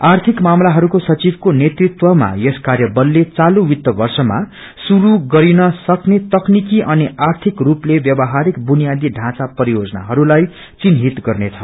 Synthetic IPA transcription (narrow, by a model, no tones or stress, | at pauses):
art̪ʰikmamlaɦʌɾukosʌt͡sibʱkonet̪rit̪wʌma̰jeskarjʌbʌlːet͡saluwit̪ːʌbʌrsʌma̰ | suɾuɡʌɾinʌsʌknet̪ʌknikiʔʌniart̪ʰikruplebjʌbʌɦaɾikbunijad̪iɖʱãt͡sapʌɾijod͡zʌna̰ɦʌɾulaj | t͡sinɦit̪ɡʌrnet͡sʰʌ